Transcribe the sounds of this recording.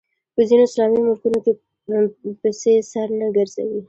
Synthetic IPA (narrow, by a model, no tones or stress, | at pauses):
pəzinoɪslɑmimʊlkunoke | pesesaɾnaɡəɾz̥a̰wi